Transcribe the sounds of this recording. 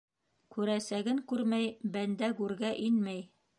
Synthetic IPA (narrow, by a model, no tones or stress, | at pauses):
kʉɾæsæɡɘŋkʉɾmæjbænd̪ækʉɾɡæʔinmæj